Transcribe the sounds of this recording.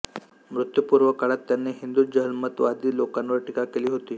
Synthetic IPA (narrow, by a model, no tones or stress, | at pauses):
mɾut̪jəpuɾʋəkaɽat̪ːjanːeɦind̪uːd͡ʑəɦəlmət̪ʋad̪iːlokanʋəɾʈikakeliːɦot̪iː